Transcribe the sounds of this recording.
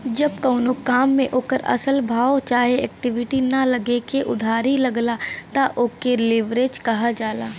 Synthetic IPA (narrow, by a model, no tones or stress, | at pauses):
d͡ʒɐb̚kəːʊnokaːmːẽʔoːkəɾɐ̰səlbʱaːot͡ʃaːɦeɛːk̚ʈɪʋɪʈinalɐɡekeʔʊd̪ʱaːɾilɐɡlat̪aʔoːkelɪʋɾeːd͡ʒkɐɦad͡ʒaːlaː